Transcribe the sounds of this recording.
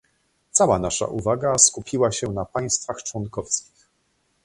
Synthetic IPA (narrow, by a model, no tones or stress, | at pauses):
t̪sawanaʂa̰ʔuvaɡaskupʲʰiwaɕɛnapaj̃st̪faxt͡ʂwɔŋkɔfskʲix